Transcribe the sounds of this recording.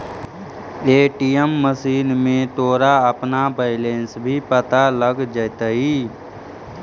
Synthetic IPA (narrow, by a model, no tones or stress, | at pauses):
eːʈijəmːəsiːnmẽt̪oːɾaəpnabəɪleːnsbʱipət̪aləɡd͡ʒət̪aɦiː